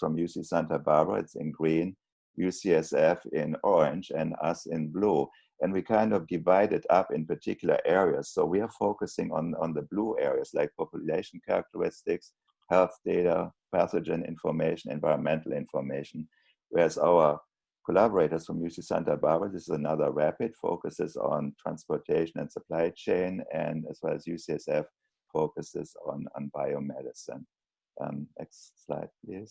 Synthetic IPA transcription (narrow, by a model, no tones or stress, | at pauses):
fɹɔ̃mjusisɛ̃ntəbaɹbə̰˞ɪ̰tsɪ̰̃nɡɹĩːn | jusiɛsɛfɪ̃nɔɹɪ̃nd͡ʒɛ̃nda̰sɪ̃nbluː | ɨ̃ndwikʰãɪ̃ndɔvdɪvaɪɾɪtapɪ̃npə˞tʰɪkjl̩ə̰˞ʔɛɹiəsːoʊwiəfoʊkɨsɪ̃ŋə̃nə̃nðəbluːɛɹiəslaɪk̚pʰɔpjʊleɪʃn̩kʰaɹa̰k̚tʰəɹɪstɪks | hɛlˠθd̥eɪtə̰pʰæsəd͡ʒə̃nɪ̰̃nfɔ˞meɪʃn̩ɛ̰̃nvaɪɹə̃nmɛ̃ntʰl̩ɪ̃nfɔmeɪʃn̩ | wɛ˞zaʊə˞ | kʰɔlæbəɹeɪɾə˞sfɹɔ̃mjusisɛ̃ntəbabəðɪsɪzənaðə˞ɹæpɪd̥fo̰ʊkəsɪzɔ̰̃ntʰɹ̥æ̰̃nspɔtʰeɪʃə̃n̩ɛ̰̃ntsəpʰl̥aɪt͡ʃẽɪ̃nɛ̃ndæzwɛlæzjusiɛsɛf | foʊkəsɪz̃nɔ̰̃nbaɪomɛɾɪsə̰̃n | ʔmɛ̰tssla̰ɪd̚pʰlis